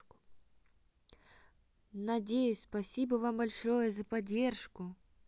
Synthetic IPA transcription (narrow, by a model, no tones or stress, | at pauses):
nɐdʲejʊsʲspɐsʲibɐvambɐlʲʂojəzɐpɐdʲːerʂkʊ